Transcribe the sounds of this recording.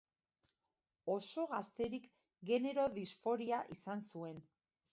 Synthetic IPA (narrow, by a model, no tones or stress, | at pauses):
o̞so̞ɣast̪e̞ɾik | ɡe̞ne̞ɾo̞ðisfo̞ɾiaʔisansue̞n